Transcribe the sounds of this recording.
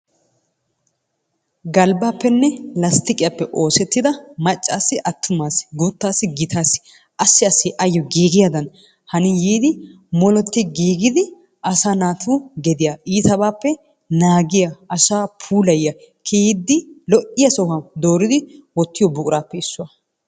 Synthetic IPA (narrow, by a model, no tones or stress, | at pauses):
ɡɐlbaːpːɛnːɛlɐst̪ɪkʼɪjɐpːɛʔo̞ːsɛt̪ːɪd̪ɐmɐt͡ʃʼːaːsːɪʔɐt̪ʰːʊmaːsɡʊt̪ːaːsːɪɡɪt̪ʰaːsɪ̥ | ʔɐsːɪɐsːɪʔɐjːɔɡiːɡɪjad̪ɐn | hɐnɪjiːd̪ɪ | mɔlɔt̪ːɪɡiːɡɪd̪ɪ | ʔɐsaːnaːt̪ʰuːɡɛd̪ɪjaʔiːt̪ɐbaːpːɛ | naːɡɪjɐʔɐsaːpʰuːlɐjɐ | kʰeːɪd̪ːɪlɔʔɪjɐsɔhɐd̪o̞ːɾɪd̪ɪwɔt̪ːɪjɔbʊkʼɾaːpːɛɪsːʊɐ